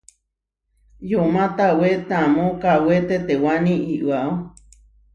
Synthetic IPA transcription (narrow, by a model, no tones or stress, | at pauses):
jomãt̪awet̪amõkawet̪et̪ewanĩʔiʔwaʔo